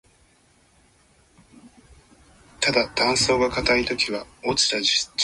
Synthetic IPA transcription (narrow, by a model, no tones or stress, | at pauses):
t̪ad̪at̪ãɰ̃so̞ːɡakat̪ait̪o̞kʲiβaot͡ɕi̥t̪ad͡ʑi